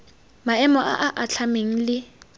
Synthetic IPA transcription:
maɛmɔʔa̰ʔaʔaɬʰameŋ̩lɪ

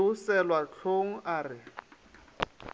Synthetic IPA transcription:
ʊsɛlwat͡ɬʰoŋ̩ʔaːrɪ

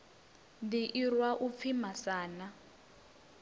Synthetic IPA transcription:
ndiʔirwaʔup̪fʰimasaːna

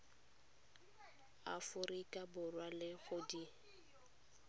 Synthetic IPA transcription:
a̰fʊrikʼabʊrwalɪɣʊdi

